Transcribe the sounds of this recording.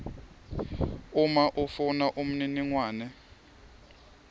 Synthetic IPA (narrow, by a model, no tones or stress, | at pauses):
umaʔufunaʔum̩niniŋwaːnɛ